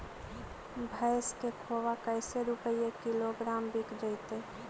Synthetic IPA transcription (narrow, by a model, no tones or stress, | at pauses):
bʱəɪskekʰoːʋakəɪseɾʊpəijekɪloɡɾaːmbikʰd͡ʒəɪt̪e